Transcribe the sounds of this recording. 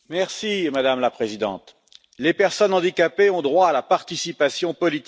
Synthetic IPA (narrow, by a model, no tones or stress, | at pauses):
mɛʁsimad̪amlapχezid̪ɑ̰̃t̪ | lepɛʁsɔnɑ̃d̪ikʲapeɔ̃d̪ʁwaːlapaʁt̪isipasjɔ̃pɔlit̪i